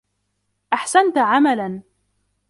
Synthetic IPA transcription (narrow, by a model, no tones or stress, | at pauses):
ʔaħsant̪ʕamalan